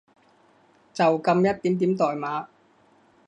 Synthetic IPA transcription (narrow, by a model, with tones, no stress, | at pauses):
t͡sɐ˨wkɐ˧mjɐ˥t̚t̪iː˨˥mt̪iː˨˥mt̪ɔː˨jmaː˨˥